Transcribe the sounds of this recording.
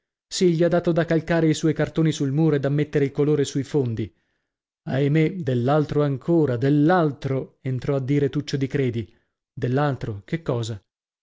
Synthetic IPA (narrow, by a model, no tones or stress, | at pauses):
siʎːiad̪ːaːt̪od̪akːalkaːɾeiswɔjkart̪oːnisulmuːɾoed̪amːet̪ːeɾeilkoloːɾesujfond̪i | ajmed̪elːalt̪ɾoaŋkʰoːɾad̪elːalt̪ɾoent̪ɾɔad̪ːiːɾet̪ut͡ʃːod̪ikɾeːd̪i | d̪elːalt̪ɾokekːɔːza